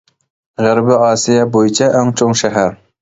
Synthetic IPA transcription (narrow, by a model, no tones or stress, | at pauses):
ʁəɾbɪɑːsijɛbojit͡ʃʰɛʔæŋt͡ʃʰoŋʃɛɦæɾ